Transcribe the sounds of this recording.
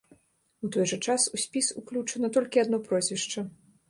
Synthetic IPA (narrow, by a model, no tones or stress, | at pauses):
ut̪ɔjʐɐt͡ʂasusʲpʲisṵklʲut͡ʂɐnɐt̪ɔlʲkʲiad̪nɔpɾɔzʲvʲiʂt͡ʂɐ